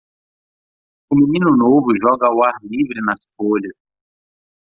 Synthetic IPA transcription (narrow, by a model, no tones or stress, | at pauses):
umininunovuʒɔɡawalivɾinasfolis